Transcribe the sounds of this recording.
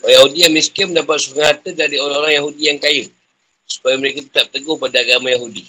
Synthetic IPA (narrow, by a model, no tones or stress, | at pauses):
jaɦudijamiskɪməndapat̪̚sukaŋhat̪ədaɾioɾaŋoɾaŋjaɦudijaŋkajə | su̥pajəməɾekət̪ə̥t̪ap̚t̪əɡʊhpadaːɡamajaɦudi